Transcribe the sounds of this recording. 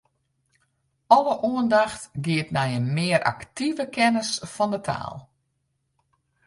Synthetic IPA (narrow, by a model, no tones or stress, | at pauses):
ɔləʔuəndaxtɡɪətnɛjənmɪəɾʔa̰ktivəkʰɛnəsfɔndətʰa̰ːlˠ